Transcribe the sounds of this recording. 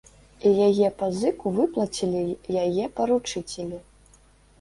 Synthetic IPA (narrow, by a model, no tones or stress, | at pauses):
ijajɛpɐzɨkuvɨplˠɐt͡sʲilʲijajɛpɐɾut͡ʂɨt͡sʲelʲi